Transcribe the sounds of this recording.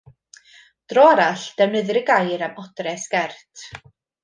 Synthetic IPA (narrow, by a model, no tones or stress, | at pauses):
d̥rɔaɾaɬd̥ɛwnəðɨɾəɡajɾamɔdrɛsɡ̥ɛrtʰ